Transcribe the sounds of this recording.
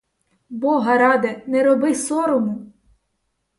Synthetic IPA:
bɔɦɐɾɑd̪ɐnɛɾɔbɪsɔɾɔmʊ

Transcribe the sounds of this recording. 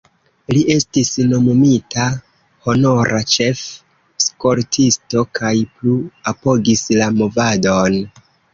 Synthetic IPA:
liʔe̞stisno̞momita | ho̞no̞ɾʔat͡ʃe̞f | sko̞ɾtʰisto̞kʰajpluapo̞ɡislamo̞vado̞n

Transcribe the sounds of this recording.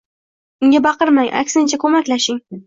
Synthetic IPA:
ʊŋɡʲabɑqɨɾmaŋʔa̰kʲsɪnt͡ʃʰakʰɵmakʲlaʃɪŋ

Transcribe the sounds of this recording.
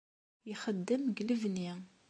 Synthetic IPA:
jixəd̪ːəmɡləvni

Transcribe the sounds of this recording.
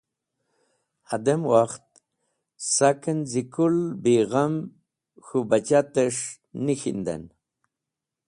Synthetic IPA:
ad̪emwaxt̪̚ | sakənzikulbiɣam | xubat͡ʃat̪eʂ | nixḭnd̪a̰n

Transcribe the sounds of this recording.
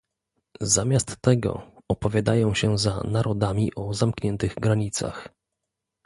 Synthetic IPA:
zamʲjast̪ːɛɡɔ̰ɔpɔvʲjad̪ajɔ̃w̃ɕɛza̰naɾʔɔd̪amʲiʔɔzamkɲɛnt̪ɘɣɡɾaɲit̪sa̰x

